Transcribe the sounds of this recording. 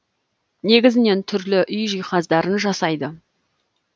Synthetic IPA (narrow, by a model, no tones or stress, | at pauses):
ne̞ɡʲɪzɪne̞nt̪ʰʏɾlɪʔʏjʒijχɑzd̪ɑɾənʒɑsɑjd̪ə